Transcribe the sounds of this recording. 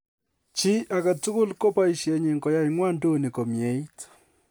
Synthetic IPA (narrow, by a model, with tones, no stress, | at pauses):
t͡ʃi˦ʔa˨ka˨tu˦kʊ˦lko˦pa˦i˨ʃje˨ɲi˨ŋɡɔ˨ja˦i˦ŋwa˦ndo˦˨ni˨ko˨mje˨˦i˦t